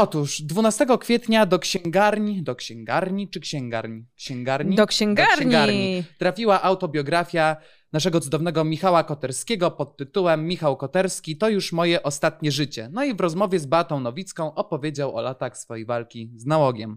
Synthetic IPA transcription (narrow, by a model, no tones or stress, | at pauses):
ɔt̪uʂd̪vunast̪ɛɡɔkfʲjɛt̪ɲad̪ɔkɕɛŋɡaɾɲd̪ɔkɕɛŋɡaɾɲit͡ʂɘkɕɛŋɡaɾɲkɕɛŋɡaɾɲid̪ɔkɕɛŋɡaɕɛɲɡaɾɲit̪ɾafʲiwaʔawt̪ɔbʲjɔɡɾafʲja | naʂɛɡɔt̪sud̪ɔvnɛɡɔmʲixawakɔt̪ɛɾskʲɛɡɔpɔt̪ːɘt̪uwɛmːʲixawkɔt̪ɛɾskʲit̪ɔjuʂmɔjɛʔɔst̪at̪ɲɛʐɘt͡ɕɛ̰nɔivɾɔzmɔvʲjɛzbat̪ɔ̃w̃nɔvʲit̪skɔ̃w̃ʔɔpɔvʲjed͡ʑawɔ̰lat̪axsfɔjejvalkʲiznawɔɡʲjɛm